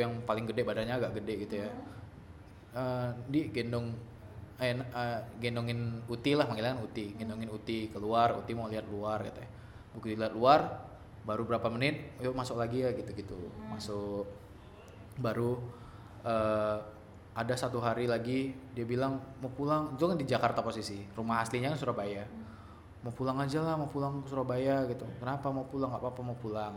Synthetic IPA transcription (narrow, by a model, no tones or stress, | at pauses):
ujaŋpalɪŋɡədɛbadanɲaːɡaʔɡədɛʔɡit̪uja | ədiɡendɔŋ | nəɡendɔŋɪnut̪ilahməŋilaŋanut̪iɡɛndɔŋɪnut̪ikəluarṵt̪imaliɦat̪̚luarɡḭt̪uja | bukut̪iliɦat̪̚luar | baɾubəɾapamənɪt̪̚jomasʊklaɡiaɡit̪uɡit̪ṵmasʊk | baɾu | ə | adasat̪uɦaɾilaɡidiabilaŋmapulaŋt̪ukandid͡ʒakart̪aposisirumaɦasliɲakansuɾabaja | mapulaŋad͡ʒalahmapulaŋsuɾabajaɡit̪ukənapamapulaŋɡapapamawpulaŋ